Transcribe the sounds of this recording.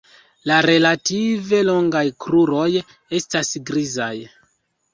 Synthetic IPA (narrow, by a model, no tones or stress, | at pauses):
laɾe̞lative̞lo̞ŋɡajkɾuɾo̞j | e̞stasɡɾizaj